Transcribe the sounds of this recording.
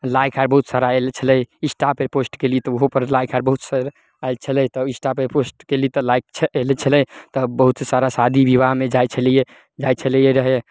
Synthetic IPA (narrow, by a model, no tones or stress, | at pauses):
lajkʰaɾbəɦut̪saɾaelt͡ʃʰələjisʈapeposʈkelit̪ɔoɦopəɾlajkʰaɾbəɦut̪səɾ | ajlt͡ʃʰəlɛt̪ɔisʈapeposʈkelit̪ɔlajk̚t͡ʃʰəelɛt͡ʃʰəlɛjt̪ɔbəɦut̪sesaɾasad̪ʱibibaɦmed͡ʒajt͡ʃʰəlije | d͡ʒajt͡ʃʰələjeɾəɦe